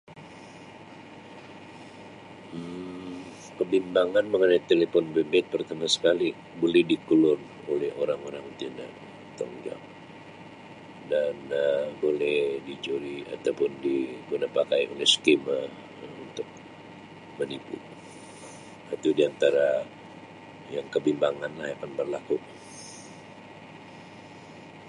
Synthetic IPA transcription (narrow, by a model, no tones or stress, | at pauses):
kəbimbaŋanməŋənajt̪elefɔnbebɛt̪̚pərt̪amasə̥kali | bolɛhdikəlʊr | olɛhoɾaŋoɾaŋt̪ina̰ | t̪əŋd͡ʒa̰ŋ | danəbolɛhdit͡ʃoɾia̰t̪awpʊndiɡunapakajo̰lɛhsə̥kima | unt̪ʊk̚ | mənipṵ | at̪udiant̪aɾa | jaŋkəbimbaŋanlahakanbərlaku